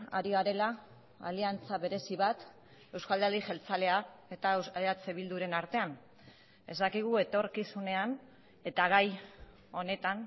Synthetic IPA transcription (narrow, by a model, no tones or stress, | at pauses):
a̰ɾiaɾe̞la | a̰liant͡saβe̞ɾe̞siβat̪ | e̞wskald̪eɾd̪iʝe̞lt͡sale̞ae̞t̪aeat͡seβild̪uɾe̞naɾt̪e̞an | e̞zd̪akiɣ̞ue̞t̪o̞rkisune̞an | e̞t̪aɣ̞aj | o̞ne̞t̪an